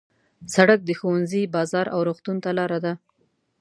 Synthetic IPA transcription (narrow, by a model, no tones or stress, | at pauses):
saɽak̚d̪əxowanzibɑzɑɾʔawɾoɣt̪unt̪alɑɾad̪a